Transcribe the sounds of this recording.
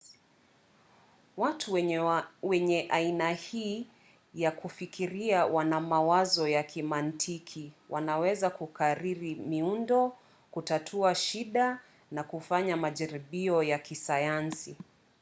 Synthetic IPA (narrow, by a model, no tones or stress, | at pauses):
watʰu | wɛɲɛʔainahiː | jakufikʰiɾiawanamawazɔjakimantʰikʰiwʔanawɛzakukaɾiɾimiundɔ | kutatʰuaʃiɗa | nakufaɲamaʄaɾiɓiɔjakisajansi